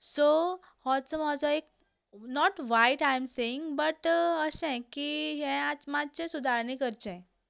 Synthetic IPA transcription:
so | hɔtsəmɔd͡zoek̚ | nɔʈʋajʈajmseɪ̃ŋɡbəʈəsɛ̃kiɦɛ̃atmat͡ɕẽsud̪ʱaɾnĩkəɾt͡ɕɛ̃

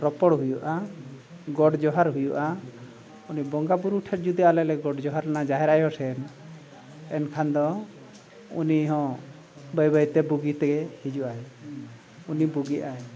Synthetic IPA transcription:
pɾɔpɔɽɦujuʔa | ɡɔɽd͡ʒɔɦaɾɦujuʔa | unibɔŋɡabuɾuʈʰɛʈ̚d͡ʒud̪ialɛlɛɡɔɽd͡ʒɔɦaɾnad͡ʒaɦɛɾajɦɔsɛn | ɛnkʰand̪ɔ | ṵniɦɔ̃ | bəjbait̪ɛbuɡit̪ɛɡɛhid͡ʒuʔaj | unibuɡiʔaj

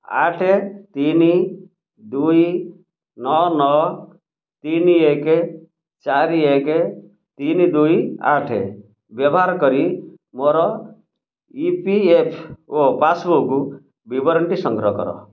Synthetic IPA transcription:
a̰ʈʰet̪ini | d̪uj | nɔnɔ | t̪inieke | t͡ʃaɾieke | t̪inid̪uja̰ʈʰḛ | bjɔbɔɦaɾkɔɾi | moɾɔ | ipiepʰopasboku | bibɔɾəɳʈisɔŋɡɾɔkɔ̰ɾɔ̰

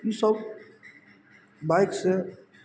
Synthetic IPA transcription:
isɔb | bajksɛ

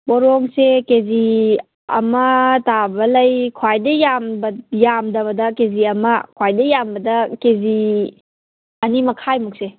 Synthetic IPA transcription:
boɾoŋsekezi | ɐ̰mɐtabɐlɐjkʰwajdɐjambɐjamdɐβɐdɐkeziɐmɐkʰwajdɐjambɐdɐkezi | ɐnimɐkʰajmuk̚se

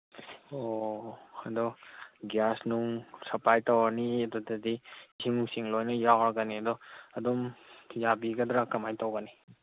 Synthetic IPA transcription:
o | ad̪ɔɡjasnuŋsɐplajtɐwaniɐdɔdɐdisiŋnuŋsiŋlojnɐjawɾɐɡɐniɐdɔɐdɔmjabiɡɐd̪ɾakɐmajtɐwɡɐni

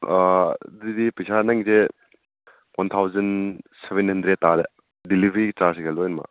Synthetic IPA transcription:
didipisanaŋze | wʔant̪ʰawzɐnsebenhɐndɾet̚ːaɾe | dilibʱɾit͡ʃaɾsɡelɔjnma̰

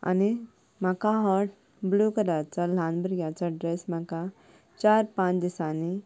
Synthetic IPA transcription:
a̰ni | makaɦɔɾʈ̚ | blukɐɾat͡ʃalãːnbəɾɡat͡ʃaɖɾesmaka | t͡ʃaːɾpãːt͡ʃd̪isaːni

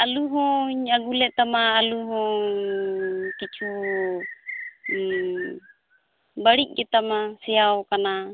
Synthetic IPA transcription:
aluɦoɲaɡulɛt̪amaːluɦɔ | kit͡ʃu | baɾiʔɡɛt̪amasɛaokana

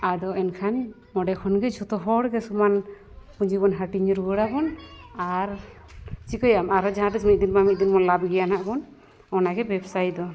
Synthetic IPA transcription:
ad̪ɔʔɛnkʰani | mɔɖɛkʰɔnɡɛd͡ʒʱɔt̪ɔɦɔɽɡɛsuman | puɲd͡ʒiɡɔnɦaʈiɲɾɡɔɽakɔnaɾ | t͡ʃikɔjamaɾɔd͡ʒaɦãɾismit̪̚d̪inmamit̪̚d̪inmɔnlabɡɛjanaʔkɔn | ɔnaɡɛbɛbsajd̪ɔ

